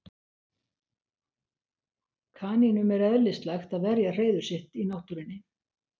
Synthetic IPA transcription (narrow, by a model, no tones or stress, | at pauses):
kʰaːninʏmɛɾaœlːɪst̪laxt̪aðvɛɾjar̥eːjðʏɾ̥sɪht̪inawht̪ʏɾɪnːɪ